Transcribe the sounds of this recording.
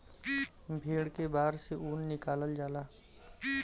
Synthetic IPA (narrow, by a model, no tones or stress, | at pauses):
bʱeːɽkebaːɾseʔuːnːɪkaːləld͡ʒaːlaː